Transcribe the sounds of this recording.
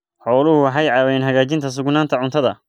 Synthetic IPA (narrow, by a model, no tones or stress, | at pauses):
ħɔːlʊhʊwɑħɑjʕɑːwɛjnɦɐɣaːt͡ʃɪnt̪ʰɐs̬ʊɡnaːnt̪ʰɐʕʊnt̪ʰɐðɐ